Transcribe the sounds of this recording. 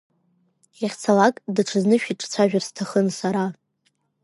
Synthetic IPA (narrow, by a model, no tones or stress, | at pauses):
jaχʲt͡sʰalakʼdaʈ͡ʂʰɨznɨʃᶣiʈ͡ʂʼt͡sʷʰaʒᶣarstʰaχənsaɾa